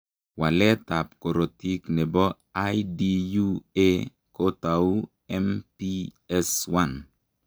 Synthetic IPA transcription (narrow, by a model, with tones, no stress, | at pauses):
wa˨lɛ˦ta˨p̚ko˨ɾo˨ti˦knɛ˨bɔ˦ | a˦idi˦ju˦e˦ | ko˦ta˨u˦ | ɛ˦mpi˦ | ɛ˦swa˦n